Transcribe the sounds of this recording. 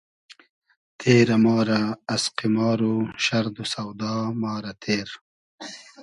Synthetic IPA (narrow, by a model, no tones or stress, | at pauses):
t̪ʰeːɾamɑːɾaːsqimɑːɾoʃaɾd̪usawd̪ɑːmɑːɾat̪ʰeːɾ